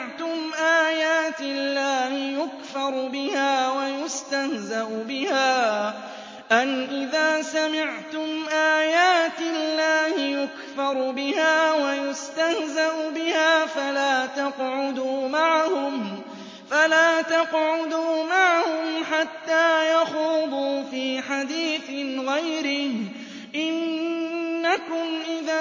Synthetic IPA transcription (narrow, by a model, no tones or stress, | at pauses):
ʕt̪ʊmʔaːjaːt̪ɪlːaːhɪjʊkfɑɾˤbɪhaːwajʊst̪ahzaʔʊbɪhaː | ʔanʔɪðaːsamɪʕt̪ʊmʔaːjaːt̪ɪlːaːhɪjʊkfɑɾˤʊbɪhaːwajʊst̪ahzaʔʊbɪhaːfalaːt̪ɑqʕʊd̪uːmaʕahʊm | falaːt̪ɑqʕʊd̪uːmaʕahʊmħat̪ːaːjɑxuːd̪ˤuːfiːħad̪iːθɪɣajɾɪh | ʔɪnː | akʊmʔɪðaː